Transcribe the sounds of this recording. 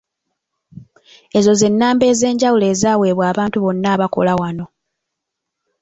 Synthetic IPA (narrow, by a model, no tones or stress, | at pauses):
e̞zo̞ze̞nːaːmbe̞ːze̞ːɲɟawule̞ːzaːwe̞ːβwaːβaːntuβo̞nːaːβako̞̰lawano̞